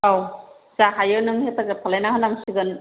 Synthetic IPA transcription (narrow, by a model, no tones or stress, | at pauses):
aw | saɦajɯnɯŋhetaɡɯpʰalajnaɦɯnaŋsiɡɯn